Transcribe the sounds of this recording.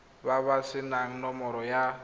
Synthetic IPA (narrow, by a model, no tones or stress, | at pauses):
βaβasɪnaŋ̩nɔmɔɾɔja